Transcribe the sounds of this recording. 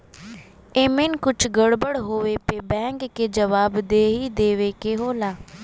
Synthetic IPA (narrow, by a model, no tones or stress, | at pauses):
eːmɪnkʊt͡ʃʰɡəɽbəɽɦoːʋeːpeːbɛ̃ːŋɡːeːd͡ʒəʋaːbd̪eːɦiːd̪eːʋeːkeɦoːlaː